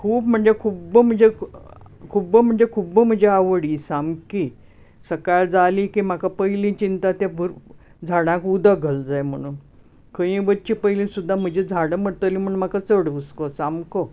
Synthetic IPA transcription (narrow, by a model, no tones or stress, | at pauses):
kʰuːpm̤əɳd͡zekʰuːbm̤əɳd͡ze | kʰubəm̤əɳd͡zekʰuːbm̤əd͡ʑeaʋɽisamki | səkaɭd͡zalikim̤akapəjlĩt͡ɕint̪at̪jabʱəɾ | d͡zʱaɽãkud̪aɡʱəld͡zajm̤əɽ̃uːn | kəjĩʋət͡ɕipəjlĩsud̪ʱːam̤əd͡ʑed͡zʱaɽəməɽt̪əlĩm̤əɳ̃m̤akat͡səɽʋəskosamko